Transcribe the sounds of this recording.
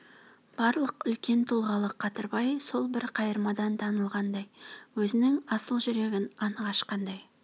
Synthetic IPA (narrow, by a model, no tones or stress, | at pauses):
b̥ɑɾlˠəqʏlkʲe̞nt̪ʰulˠʁɑlˠəqʰɑt̪əɾbɑjso̞lˠbɪɾqʰɑjəɾmɑd̪ɑnt̪ʰɑnəlˠʁɑnd̪ɑjwɵzɪnɪŋɑsəlˠʒʏɾe̞ɡʲɪnɑɴʁɑʃqɑnd̪ɑj